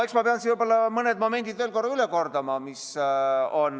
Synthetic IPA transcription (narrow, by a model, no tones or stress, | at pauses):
eksmɑpeɑnsivɯjbolːɑmɤned̪mo̞me̞nʲd̪̥id̪veːlko̞rːɑyleko̞rd̪ɑmɑmis | o̞n